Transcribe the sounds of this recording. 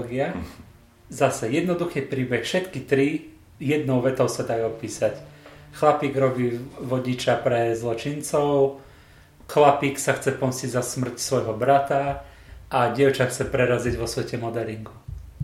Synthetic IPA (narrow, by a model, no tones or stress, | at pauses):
ɡia | zasɛjɛd̪nɔd̪uxiːpɾiːbɛxfʃɛt̪kit̪ɾi | jɛd̪nɔʊʋɛt̪ɔʊsad̪ajupiːsacxlapiːɡɾɔbiːʋɔɟit͡ʃapɾɛzlɔt͡ʃint͡sɔʊ | xlapiːksaxt͡sɛpɔmsciɟzasmr̩csʋɔjɦɔbɾat̪a | ʔaɟɪɛʊt͡ʃaxt͡sɛpɾɛɾaziɟʋɔsʋɛcɛmɔd̪ɛɾiŋɡu